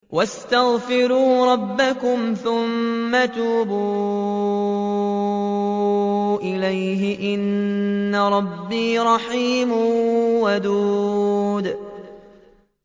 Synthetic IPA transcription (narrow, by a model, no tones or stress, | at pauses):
wast̪aɣfɪɾuːɾˤɑbːakʊmθʊmːat̪uːbuː | ʔɪlajɦɪʔɪnːaɾˤɑbːiːɾˤɑħiːmwad̪uːd̪